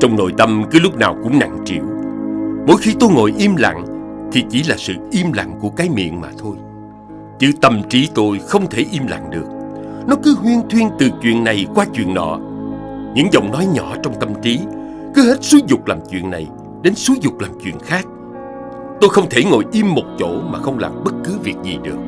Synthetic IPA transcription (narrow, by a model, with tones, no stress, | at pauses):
t͡ɕɔ˧wŋ͡mno̰˧˨jt̪ə˧mkɨ˨˦lʊ˦˥k͡p̚naː˨˩wkʊ̰˧˥ŋ͡mna̰˧˨ŋt͡ɕḭ˧˨əw | mo˨˦jxi˧t̪o˧jŋo̰˨˧˨jʔi˧mla̰˧˨ŋt̪ʰi˨˩t͡ɕi˧˩˦laː˨˩sɨ̰˧˨ʔi˧mla̰˧˨ŋku˧˩əkaː˨˦jmḭ˧˨ənmaː˨˩t̪ʰo˧j | t͡ɕɨ˧˩t̪ə˧˩mt͡ɕi˨˦t̪o˧jxə˧wŋ͡mt̪ʰe˧˩ʔi˧mla̰˧˨ŋɗɨ˨˩ək̚nɔ˨˦kɨ˨˦ɦwi˧ənt̪ʰwi˧ənt̪ɨ˨˩t͡ɕwḭ˧˨ənna˨˩jkwaː˧t͡ɕwḭ˧˨ənɗɔ̰˧˨ | ɲɨ̰˧˥ŋzə̰˧˨wŋ͡mnɔ˨˦jɲɔ˧˩˨t͡ɕɔ˧wŋ͡mt̪ə˧˩mt͡ɕi˨˦ | kɨ˨˦ɦe˦˥t̚su˨˦zʊ˨˩k͡p̚laː˨˩mt͡ɕwḭ˧˨ənna˨˩j | ɗe˨˦nsu˨˦zʊ˨˩k͡p̚laː˨˩mt͡ɕwḭ˧˨ənxaː˦˥k̚ | t̪o˧jxə˧wŋ͡mt̪ʰe˧˩ŋo˧˨jʔi˧mːo˨˩t̚t͡ɕo˧˩ma̰ː˨˩xə˧wŋ͡mla̰ː˨˩mɓə˦˥t̚kɨ˨˦vi˨˩ək̚zi˨˩ɗɨ˨˩ək̚